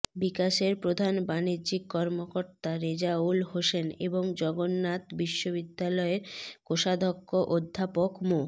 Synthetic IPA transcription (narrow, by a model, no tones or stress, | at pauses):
bikaʃeɾpɾod̪ʱanbanid͡ʑikkːɔɾmokoɾt̪aɾed͡ʑaulɦoʃenḛboŋd͡ʑɔɡonːat̪biʃːoβid̪ːalɔeɾkoʃad̪ʱokʰːoʔod̪ʱːapokmo